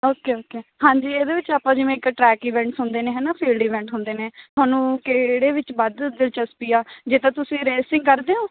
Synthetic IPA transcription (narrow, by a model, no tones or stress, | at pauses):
oːkeːoːkeːhãːɲd͡ʒiːeːd̪eːʋɪt͡ʃaːpːãːd͡ʒɪmẽːɪkʈɾɛːkiːʋɛ̃ːɳʈsɦʊnd̪eːneːɦɛːnaːpʰiːlɖiːʋɛ̃ːɳʈɦʊ̃nd̪eːnẽːt̪ʰʊaːnũːkeːɽeːʋɪt͡ʃbəd̪d̪ɪlt͡ʃəspiːaːd͡ʒeːt̪ãːt̪ʊsĩːɾeːsɪ̃ŋɡkəɾd̪eːɦoː